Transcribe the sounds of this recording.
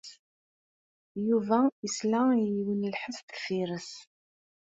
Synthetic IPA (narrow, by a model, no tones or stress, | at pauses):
juvæəslæəjiwənəlħəstəfiɾəs